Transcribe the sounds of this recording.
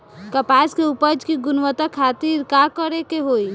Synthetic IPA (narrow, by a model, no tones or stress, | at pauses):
kəpaskeupəd͡ʒkiɡʊnʋət̪akʰat̪iːɾkakəɾekeɦoi